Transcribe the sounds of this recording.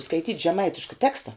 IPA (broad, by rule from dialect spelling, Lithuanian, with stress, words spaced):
skɐɪˈtʲiːtʲ ʒʲɛˈmɐɪtʲɪʃkɐ ˈtʲæːkstɐ